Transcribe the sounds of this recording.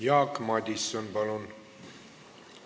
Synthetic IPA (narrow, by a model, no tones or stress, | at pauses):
jɑːkmɑd̪isːənbɑlon